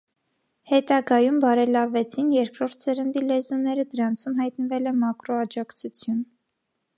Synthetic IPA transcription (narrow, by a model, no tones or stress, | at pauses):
hɛt̪ɑɡɑjumbɑɾɛlɑvɛt͡sʰinjɛɾkɾɔɾt̪ʰsəɾənd̪ilɛzunɛɾəd̪əɾɑnt͡sʰumɦɑjt̪nəvɛlɛmɑkɾɔɑd͡ʒɑkt͡sʰut͡sʰjun